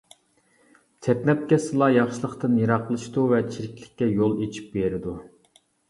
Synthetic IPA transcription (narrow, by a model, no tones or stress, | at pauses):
t̪ʰɛpnɛp̚kʲɛsɨlˠɑjɑχʃilˠəχt̪ɨnjeɾɑqlˠɨʃt̪uvɛt͡ʃʰiɾɪkʲlɪkʲːɛjolˠet͡ʃʰi̥p̚beɾɪd̪u